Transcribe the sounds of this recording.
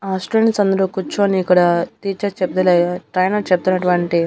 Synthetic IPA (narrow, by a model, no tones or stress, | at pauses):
aːsʈɾelinsɐnd̪ɐluːkut͡ʃːuɐniːkːɐɽaːt̪iːt͡ʃet͡ʃep̚ːd̪ɐleːɡaʈɾɐjnat͡ʃep̚t̪unːɐʈuʋɐɳʈi